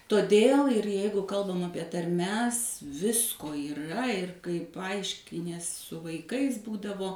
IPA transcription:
toːˈdʲeːlˠ ɪr ˈjɛɪɡʊ ˈkɐlˠbɐm ˈɑːpʲiɛ tɐrʲˈmʲɛs ˈʋʲɪskoː iːˈrɐ ɪr kɐɪ pɐˈɐɪʃʲkʲɪnʲiɛs sʊ ʋɐɪˈkɐɪs ˈbuːdɐʋoː

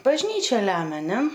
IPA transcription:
bɐʒʲˈnʲiːt͡ʃʲɛ ˈlʲæːmʲɛ ˈnʲɛ

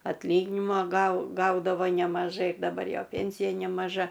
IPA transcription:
ɐtʲlʲˈiːɡʲɪnʲɪmɐ ɡɐʊ ˈɡɐʊdɐʋoː nʲɛmɐˈʒɐɪ dɐˈbɐr ˈjoː ˈpʲeːnʲsʲɪjɛ nʲɛmɐˈʒɐ

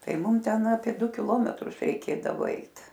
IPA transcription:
ˈtɐɪ ˈmʊm ˈtʲɛn ɐpʲiɛ ˈdʊ kʲɪˈlˠoːmʲɛtrʊs rʲɛɪˈkʲeːdɐʋoː ˈɛɪt

